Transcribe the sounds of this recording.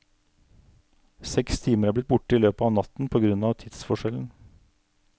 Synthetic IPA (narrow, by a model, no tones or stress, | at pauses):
sɛkst̪ʰiːməɾæːb̪ɪt̪̚bʊʈəiːløːpəɑʋnɑt̪n̩pʰoːɡɾʉnɑːʋt̪ʰɪd̪sfɔʂɛln̩